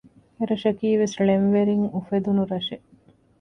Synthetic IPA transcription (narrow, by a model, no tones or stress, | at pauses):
eɾɐʃɐkiːʋesɭenʋeɾiŋufed̪unuɾɐʃe